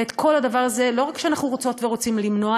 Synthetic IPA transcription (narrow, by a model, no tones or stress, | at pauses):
et̪kʰo̞lad̪avaʁaze̞lo̞ʁakʃeanaχnuʁot͡so̞tveʁo̞t͡simlimno̞a